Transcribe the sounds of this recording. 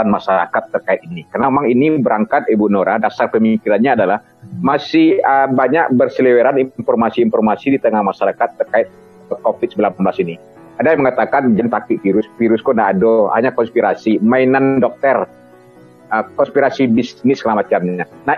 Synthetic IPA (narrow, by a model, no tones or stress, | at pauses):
anmaʃaɾa̰kat̪ːərkaɪt̪̚inikarnamemaŋinibəɾaŋkat̪ebunoɾadasarpəmiŋkiɾanɲaːdalah | masɪhəbaɲaʔbərsəliweɾaninfɔrmasiːnfɔrmasidit̪əŋahmaʃaɾakat̪ːərkaɪt̪̚ | kɔfɪt̪səbilamblasini | adajŋməŋat̪akand͡ʒant̪ak̚t̪ɪk̚fiɾʊsfiɾʊskɔndaadoha̰ɲakɔnspiɾasimainandɔk̚t̪ər | əkɔnspiɾasibisnɪsːəlamat͡ʃamɲana